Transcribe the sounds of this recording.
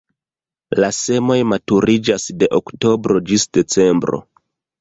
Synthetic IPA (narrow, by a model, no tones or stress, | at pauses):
lase̞mo̞jmatuɾid͡ʒasde̞ʔokto̞bɾo̞d͡ʒisde̞t͡se̞mbɾo̞̰